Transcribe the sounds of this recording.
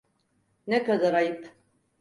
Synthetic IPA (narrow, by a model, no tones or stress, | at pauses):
nɛkad̪aɾajpʰ